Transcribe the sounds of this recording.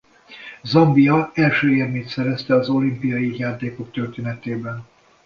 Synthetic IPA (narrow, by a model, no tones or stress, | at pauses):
zɒmbijɒɛlʃøːeːrmeːt̪sɛɾɛst̪ɛɒzo̞limpijɒjijaːt̪eːko̞k̚t̪ørt̪eːnɛt̪eːbɛn